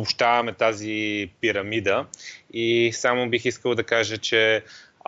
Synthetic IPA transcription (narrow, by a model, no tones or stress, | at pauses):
opʃt̪avɐmɛt̪azipiɾɐmid̪əisamʊbixiskəlˠd̪ɐkaʒət͡ʃɛ